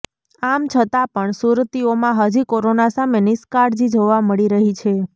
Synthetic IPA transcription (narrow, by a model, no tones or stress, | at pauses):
amt͡ʃʰət̪apəɳsuɾt̪iomãɦəd͡ʒikoɾonasamenɪskaɾd͡ʒid͡ʒoʋaməɭiɾəɦit͡ʃʰe